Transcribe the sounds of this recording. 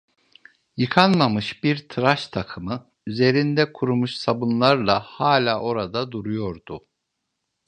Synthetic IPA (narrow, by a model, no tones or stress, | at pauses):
jɯkʰanmamɯʃbiɾt̪ʰɯɾaʃt̪ʰakʰɯmɯ | yze̞ɾind̪ɛkʰuɾumuʃsabunlˠaɾlˠahaːlʲaːʔo̞ɾad̪ad̪uɾujo̞ɾd̪u